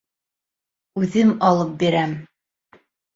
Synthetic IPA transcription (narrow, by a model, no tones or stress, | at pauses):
ʉðɘmɑlˠɤp̚biɾæm